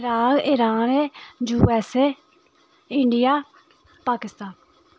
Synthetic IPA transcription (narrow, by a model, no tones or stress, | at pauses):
ɾaːkɪɾaːned͡ʒuːɛse | ɪɳɖijaː | paːkɪst̪aːn